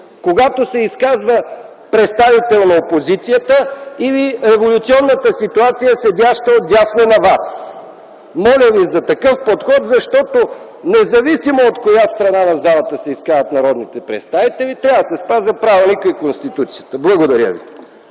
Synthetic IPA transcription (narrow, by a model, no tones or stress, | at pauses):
koɡat̪osɛiskazvə | pɾɛt̪st̪avit̪ɛlˠnɐopozit̪sijət̪əiviɾɛvolʲut̪siɔnːət̪əsit̪uat̪sijəsɛd̪ʲjaʃt̪əod̪ʲjasnonɐvas | mɔlʲəvizɐt̪ɐkɤfpot̪xɔt̪zɐʃt̪ɔt̪o | nɛzɐvisimoot̪kojast̪ɾɐnanɐzalˠɐt̪əsɛiskazət̪nɐɾɔd̪nit̪ɛpɾɛ̰t̪st̪avit̪ɛlit̪ɾʲavd̪əsɛspazəpɾavnikəikonst̪it̪ut̪sijət̪əblˠɐɡod̪ɐɾjə̰vi